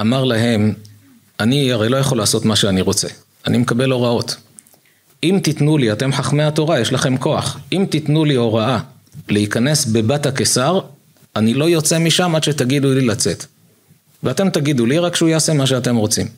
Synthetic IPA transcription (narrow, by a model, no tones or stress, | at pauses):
amaʁlaɦe̞m | aniaʁejlo̞jaχo̞laːsot̪maʃeaniʁo̞t͡se̞̰ | animekabe̞lo̞ʁao̞t̪ | imt̪it̪nuliat̪e̞mħaχmeat̪o̞ʁajeʃlaχe̞mko̞a̰χimt̪it̪nulio̞ʁaa | leikane̞sbe̞bathakesaʁ | anilo̞jo̞t͡se̞miʃamad̪ʃetaɡid̪ulilat͡se̞t | veate̞mt̪aɡiduliʁakʃeujaase̞maʃ̬eate̞mʁo̞t͡sim